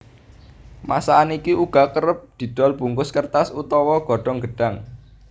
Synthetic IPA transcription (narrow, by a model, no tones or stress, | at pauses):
masaːnikiʔuɡ̥a̤kəɾəp̚d̪̥i̤d̪̥ɔ̤lb̥ṳŋkʊskərt̪asut̪ɔwɔɡ̥ɔ̤ɖ̥ɔ̤ŋɡəɖ̥a̤ŋ